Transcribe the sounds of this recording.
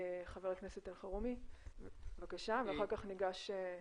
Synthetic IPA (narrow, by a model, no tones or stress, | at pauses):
χaveʁlekneset̪alχaʁumi | vakaʃaveaχaʁkaχniɡaʃe